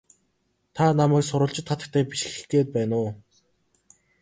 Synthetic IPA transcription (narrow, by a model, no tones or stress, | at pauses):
t̪ʰanamæːksʊɾʊ̆ːɬt͡ɕɪ̆t̪χat̪ə̥̆k̚t̪ʰæːpiʃ̆ɘ̥̆xɡeːt̪̚pæːnʊː